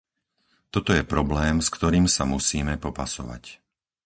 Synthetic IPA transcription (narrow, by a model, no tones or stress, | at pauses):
t̪ɔt̪ɔjɛpɾɔblɛːmskt̪ɔɾiːmsamusiːmɛpɔpasɔʋa̰c